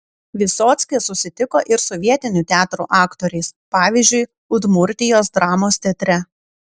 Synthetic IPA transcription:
ʋʲɪsoːt̪sʲkʲesʊsʲɪt̪ʲɪkoːʔɪɾsɔʋʲiɛt̪ʲɪnʲuːt̪ʲæːt̪ɾṵːʔɑːkt̪oːɾʲɛɪspɑːʋʲiˑzʲd͡ʒʲʊɪ | ʊd̪mʊɾʲt̪ʲɪjoːsd̪ɾɑːmoːst̪ʲɛt̪ʲɾʲɛ

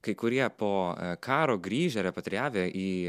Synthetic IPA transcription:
kɐɪkʊɾʲiɛpoːkʰɑːɾoːɡɾʲiːʒʲɛɾʲɛpɐt̪ʲɾʲɪjæːʋʲeʔiː

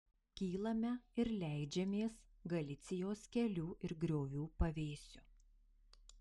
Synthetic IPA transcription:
kʲiːlˠɐmʲɛɪɾlʲæˑɪd͡ʒʲɛmʲeːsɡɐlʲɪt̪sʲɪjoːskʲɛlʲuːʔɪɾɡɾʲoːʋʲuːpɐʋʲeːsʲʊ

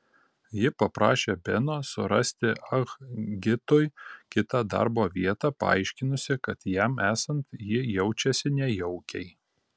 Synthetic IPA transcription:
jɪpɐpɾɑːʃʲeːbʲɛnoːsʊɾɐsʲt̪ʲɪʔɐɣɡʲɪt̪ʊjkʲɪt̪ɑd̪ɑ̰ɾboːʋʲiɛt̪ɑːpɐɑ̰ɪʃʲkʲɪnʊsʲɪkɐt̪jæmæːsɐnt̪jɪjɛʊt͡ʃʲɛsʲɪnʲɛjɛʊkʲɛɪ

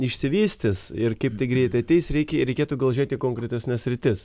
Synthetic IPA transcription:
ɪʃʲsʲɪʋʲiːsʲt̪ʲɪsɪrkɐɪpt̪ʲɐɪɡɾʲɛɪt̪ɐɪt̪ʲɛɪsɾʲɛɪkʲɛɾʲɛɪkʲeːt̪uːɡɐlˠʒʲiːt̪ʲiːkoːŋkɾʲɛt̪ʲɛsʲnʲɛsʲɾʲɪt̪ʲɪs

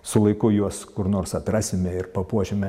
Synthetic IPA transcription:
sʊlˠɐɪkʊjuɔskʊɾnoːrsɐt̪rɑːsʲɪmʲɛɪrpɐpuɔʒʲɪmʲɛ

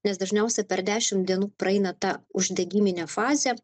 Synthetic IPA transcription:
nʲɛsd̪ɐʒʲnʲɛʊsʲɛpʲɛɾd̪ʲæːʃʲɪmd̪ʲiɛnuːpɾɐɛɪnɐt̪ɑːʊʒʲd̪ʲɛɡʲiːmʲɪnʲɛfɑːzʲɛ

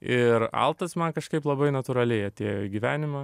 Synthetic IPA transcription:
ɪɾɐ̰lˠt̪ɐsmɐnkɐʃkɐɪplˠɐbɐɪnɐt̪uɾɐlʲɛɪɐt̪ʲeːjoɡʲiʋʲæːnʲɪmɐ

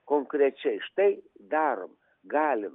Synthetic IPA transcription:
koŋkɾʲet͡ʃejʃt̪ejd̪aɾəm | ɡalʲəm

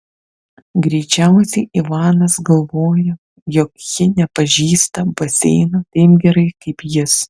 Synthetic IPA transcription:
ɡɾʲɛɪt͡ʃʲæˑʊsʲɛɪʔɪʋɑːnɐsɡɐlˠʋoːjɛ | jɔkjɪnʲɛpɐʒʲiːst̪ɐbɐsʲɛɪnɐt̪ʲɐɪpɡʲɛɾɐɪkɐɪpjɪs

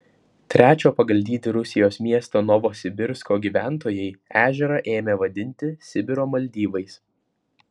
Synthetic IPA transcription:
t̪ʲɾʲæːt͡ʃʲoːpɐɡɐlʲd̪ʲiːt̪ʲɪɾʊsʲɪjoːsmʲiɛst̪oːnɔʋoːsʲɪbʲɪɾskoːɡʲiːʋʲæˑnˑt̪oːjɛɪæːʒʲɛɾɐʔeːmʲeʋɐd̪ʲɪnʲt̪ʲɪsʲɪbʲɪɾoːmɐlʲd̪ʲiːʋɐɪs

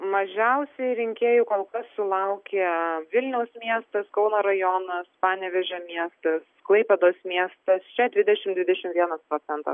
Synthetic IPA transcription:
mɐʒʲɛʊssʲɛɪɾʲɪŋʲkʲeːjuːkoːlˠkɐsːʊlˠɐʊkʲeːʋʲɪlʲnʲɛʊsmʲiɛst̪ɐskɒʊnoɾɐjoːnɐspɑːnʲɛʋʲɛʒʲoːmʲiɛst̪ɐsklˠɐɪpʲɛd̪oːsmʲiɛst̪ɐst͡ʃʲɛd̪ʲʋʲɪd̪ʲɛʃʲɪmd̪ʲʋʲɪd̪ʲɛʃʲɪmʋʲiɛnɐspɾoːt͡s̪ʲɛnt̪ɑ̰

